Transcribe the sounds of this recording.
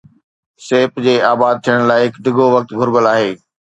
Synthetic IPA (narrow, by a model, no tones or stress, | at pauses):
seːpd͡ʑeːaːbaːd̪̚t̪ʰijəɽ̃laːɪɦɪkd̪ʱɪɡoʋɐk̚t̪ɡʱʊɾbəlaːɦeː